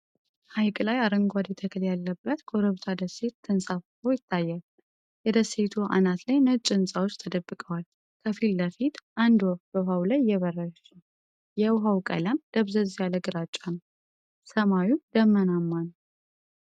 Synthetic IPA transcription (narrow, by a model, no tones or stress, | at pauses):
hajkʼlajaɾəŋɡʷad̪jɛt̪ʰəkʰɨljalːəbːət̪ɡʼoɾəβt̪ʰad̪əse̞t̪ːɨnsʼaffowjɪt̪ʰːajːal | jɛd̪əse̞t̪ʰua̰nat̪lajnət͡ʃʼːɪnsʼawot͡ʃːt̪ʰəd̪əbːɨkʼəwal | kʰəfilːəfit̪ʔand̪wobəɦawlajːɛβərːəʃ | jɛwɦawkʼə̰ləmd̪̥əβzəzjaləɡɨɾat͡ʃʼːan | səmawud̪əmːənamːan